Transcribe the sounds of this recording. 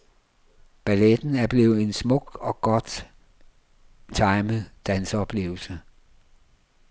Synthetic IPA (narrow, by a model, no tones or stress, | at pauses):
b̥æled̥n̩æɐb̥le̝̰ːʊð̩ˠe̝nsmɔ̽ɡ̥ɒ̽ɡ̥ɒ̽d̥ | t͡sʰɑ̈ɪməd̥ænsəɒ̽b̥le̝̰ːʊl̩sə